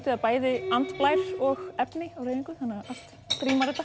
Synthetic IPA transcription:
t̪ɪðaðpaːjðɪant̪plaːjɾ̥ɔɣɛpnɪawɾreːjðiŋkʏθanːaaʔast̪ | kɾiːmaɾɛt̪ːa

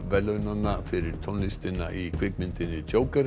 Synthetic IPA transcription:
vɛlːœnanafɪɾɪɾ̥t̪ʰɔnlɪst̪ɪna̰ʔikʰvɪkmɪnt̪ɪnːɪt͡ɕoːwkaɾ

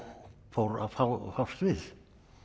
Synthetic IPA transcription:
fowɾa̰fafawst̪vɪð

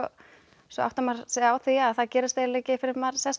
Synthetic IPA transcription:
ɔ | sɔ̰a̰wht̪amaɾ̥sawθiaðθaðcɛːɾɪst̪eːɾleːcɪfɪɾɪɾmaɾ̥sɛst̪

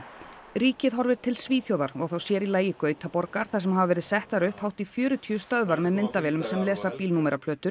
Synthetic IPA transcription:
ɾiːcɪðɦɔɾvɪɾt̪ʰɪlsviːθjowðaɾ̥vɔɣθowsjɛːɾilaːjɪkœːɥt̪ʰapɔɾkaɾ̥θasɛmɦavavɛːɾɪðsɛht̪aɾʏhphawht̪ifjʏːɾʏt̪ʰiːʏst̪œðvaɾmɛðmɪnt̪avɛːlʏmsɛmlɛːsapiːlnumɛɾʔapʰlœːt̪ʏɾ̥

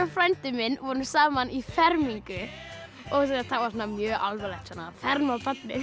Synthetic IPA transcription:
afɾajnt̪ɪmɪnvɔːnʏsaːmanifɛɾmiŋkʏ | ɔɣs̬aat̪ʰaːkvasɔnːamjœːʔalvɛlɛt̪sɔnafɛɾmapat̪nɪ

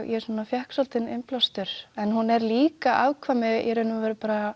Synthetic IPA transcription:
jɛsanːafjɛhksɔlt̪ɪnɪmplast̪ʏɾ̥ɛnhunɛɾliːkaʔawkʰvamɪjʔɛɾʏnʏavɛːɾapaːɾa

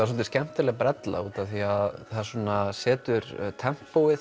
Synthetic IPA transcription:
as̬ɔlt̪ɪ̥scɛm̥t̪ɪɾlɛɣpɾɛt̪la̰uːt̪aθiaðθḁsuɔnasɛːt̪ʏɾt̪ʰɛm̥powɪθ

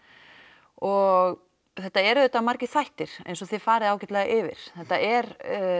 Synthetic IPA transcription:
ɔɣ | θɛht̪ːaɛɾʏt̪ːamaɾcɪ̥θajht̪ɪɾ̥ḛjns̬ɔθɪð̥faːɾɪðaːwcɪt̪lɛːɣaʔɪvɪ̰ɾ̥θɛht̪ːaʔɛɾ

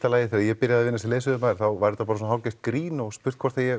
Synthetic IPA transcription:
t̪alaːjɪθɛːɾaðjɛpɪɾjaðaðvɪnːasɛleːs̬ʏðʏmaðɾ̥θawvaɾɛt̪apaːɾsɔnɦawcast̪kɾiːnɔɣspʏ̥t̪kʰvɔɾt̪θajɛ

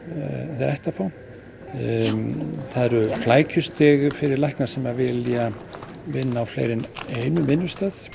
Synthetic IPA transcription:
θɾɛ̰jht̪afaw | θaðɛɾʏflaːjcʰʏst̪ɛːɣʏfɪɾɪɾlajhknasɛmavɪlia | vɪnːaːwflḛːjɾɪneːjnʏvɪnːʏ̥st̪aːθ

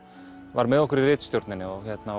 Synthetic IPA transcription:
vaɾmɛðɔkʏɾirɪːt̪st̪jowɾt̪nɪnɪɔçɛt̪na

